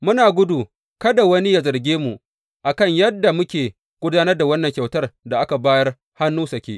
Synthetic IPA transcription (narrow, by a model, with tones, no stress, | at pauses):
mʊ˦naː˨ɡʷʊ˦duː˨ | kɐ˦da˨wɐ˦ni˦ja˨zɐ˨rɡʲeː˦mu˨ʔ | ʔa˨kɐ˦˨ɲjɐ˦dːa˨mʊ˦kʲeː˨ | ɡ̥ʷʊ˦daː˦nɐ˦rda˨wɐ˦nːɐ˨ŋkʲa˨wtɐ˦rda˨ʔa˦ka˨baː˦jɐ˦r | ha˦nːuː˦sɐ˨kʲeː˦ʔ